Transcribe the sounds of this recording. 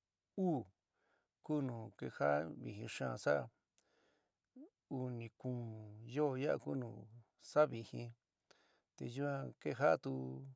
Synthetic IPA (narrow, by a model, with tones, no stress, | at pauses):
uː˦˨ | ku˦nũː˨ke˧ha˦βi˨hĩ˧ʂã˦˧˨sa˦˧˨ | u˧nĩ˨kũː˧˨jo˦˨ja˦a̰˧ku˦nũː˨ | sa˦βi˧˨hĩ˧ | t̪e˧˨ju˦ã˧ke˦ɦa˦ʔt̪u˧